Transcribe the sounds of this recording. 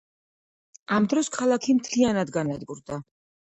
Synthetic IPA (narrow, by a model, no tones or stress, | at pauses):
amd̪ɾɔskʰalˠakʰimt̪ʰlianad̪ɡanad̪ɡuɾd̪a